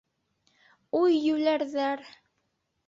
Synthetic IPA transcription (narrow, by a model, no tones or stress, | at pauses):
ujːʉlæɾðæɾ